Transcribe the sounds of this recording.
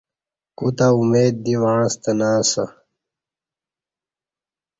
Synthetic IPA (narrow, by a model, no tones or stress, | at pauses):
kut̪aumeːd̪̚ːiwaːɻst̪ɐnaːsɐ̰